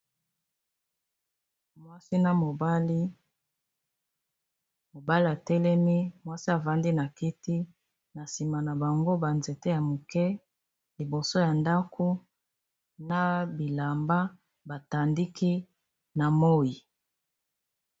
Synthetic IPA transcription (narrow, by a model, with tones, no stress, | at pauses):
mwa˦si˦na˨mo˨bli˦ | mo˨ba˦li˦a˨tɛ˦lɛ˦mi˦mwa˦si˦a˨va˨˦ndi˦na˨ki˦ti˦ | na˨si˨ma˨na˨ba˨ŋɡo˦ba˨nze˨te˦ja˨mo˨kɛ˦ | li˨bo˨so˦ja˨nda˦kʰo˦ | na˦bi˨la˨mba˦ | ba˨ta˨ndi˦ki˦ | na˨mo˦ji˨